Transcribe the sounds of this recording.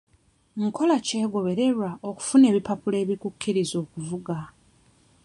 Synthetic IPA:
ŋkʰo̞lace̞ːɡo̞βe̞ɾe̞ɾaʔoku̥fune̞ːβipapule̞ːβikukʰːiɾizo̞ːkuvuɡa

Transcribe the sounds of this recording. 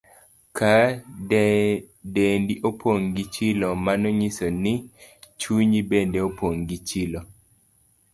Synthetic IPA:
kʰa | dendiʔopʰoŋɡit͡ʃɪlɔmanɔɲisɔnɪt͡ʃuɲibendeopoŋɡit͡ʃɪlo

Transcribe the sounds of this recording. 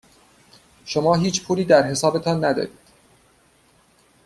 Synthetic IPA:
ʃomɒːɦiːt͡ʃʰpʰuːɾiːd̪æɾɦe̞sɒːbe̞t̪ʰɒːnːæd̪ɒ̰ːɾiːd̪̥

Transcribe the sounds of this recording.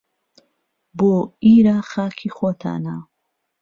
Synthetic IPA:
boːiːɾaχaːkʰiːxot̪ʰa̰ːna

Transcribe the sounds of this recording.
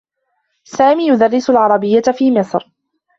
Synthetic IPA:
saːmiːjʊd̪ɑrːɪsʊlʕɑɾˤɑbɪjːafiːmɪsˤɾ

